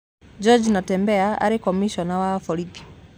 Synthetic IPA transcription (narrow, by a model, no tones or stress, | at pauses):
d͡ʒɔd͡ʒnatɛmbɛaʔa̰ɾikɔmiʃɔnawafɔlipi̥